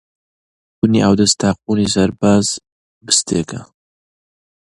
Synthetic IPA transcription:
kʊnḭʔawd̪ɐst̪ʰaːq̚uːnisɐɾbaːz | bɨst̪ʰeːkɐ

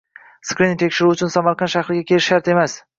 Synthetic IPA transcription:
skɾɪnɪŋt̪ʰekʲʃɪɾuʊt͡ʃʰʊnsamaɾqʰɑnʃahɾɪɡʲakʲʰe̞lɪʃːaɾt̪e̞mas

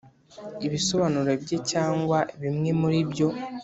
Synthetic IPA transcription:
iβiso̞βanuɾe̞bɟe̞caːŋɡwaʔeβimŋe̞muɾiβjo̞

